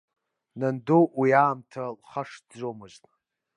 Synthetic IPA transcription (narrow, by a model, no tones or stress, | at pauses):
nandowiaːmtʰalχaʂdd͡zʷomɨʒtʼ